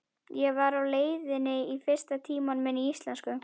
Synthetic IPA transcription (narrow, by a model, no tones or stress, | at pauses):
jɛɣvaɾawleːjðɪnɪifɪr̥st̪at̪ʰiːmanmɪnːiist̪lɛnskʏ